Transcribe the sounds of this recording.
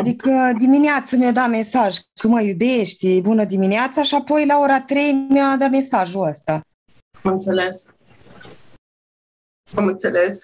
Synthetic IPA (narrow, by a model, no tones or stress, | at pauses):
ad̪ikəd̪imineat̪səmad̪ame̞saʒk̪uməjube̞ʃt̪ʲbunəd̪imineat̪saʃiapo̞jlao̞ɾat̪ɾe̞jmead̪ame̞saʒuəst̪a | amɨnt̪se̞le̞s | amɨnt̪sele̞s